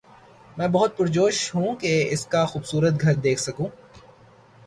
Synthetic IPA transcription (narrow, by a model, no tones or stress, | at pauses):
mɛ̃ːbɐɦʊt̪̚pʊɾd͡ʒoːʃɦũkeɪskaxuːbsuːɾət̪ɡʱɐɾd̪eːkʰsɐkũː